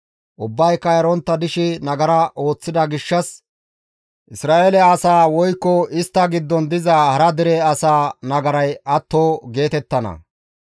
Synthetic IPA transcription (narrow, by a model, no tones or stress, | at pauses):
ʔʊbːɐjkːɐjɐɾɔnt̪ːɐd̪ɪʃɪnɐɡɐɾɐʔo̞ːt͡sːɪd̪ɐɡɪʃːɐs | ʔɪsɾaːʔelɛːsaːwɔjkːɔʔɪst̪ːɐɡɪd̪ːɔnd̪ɪzɐhɐɾɐd̪ɪɾɛɐsaːnɐɡɐɾɐjʔɐt̪ːoːɡe̞ːt̪ɛt̪ːɐnɐ̰